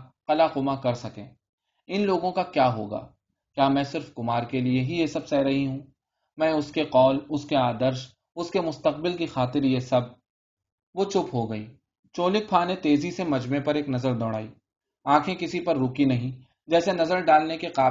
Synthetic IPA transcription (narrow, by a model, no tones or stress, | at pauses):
qɐlaqʊmakɐɾsɐkẽː | ɪnloːɡõkakjaːɦo̰ːɡa̰ː | kjaːmɛ̃ːsɪɾfkʊmaːɾkelieɦijesɐbsɛːɾɐɦiɦũ | mɛ̃ːʊskeqɔːlʊskeaːd̪əɾʃ | ʊskemʊst̪ɐqbɪlkixaːt̪ɪɾjesɐb̚ | ʋot͡ʃʊpɦoɡɐiː | t͡ʃoːlɪk̚pʰaːnet̪eːzisemɐd͡ʒmẽpɐɾeːknɐzəɾd̪ɔːɽaːiː | ãːkʰẽkɪsipɐɾːʊkinɐɦĩ | d͡ʒɛːsenɐzəɾɖaːlnekeqaː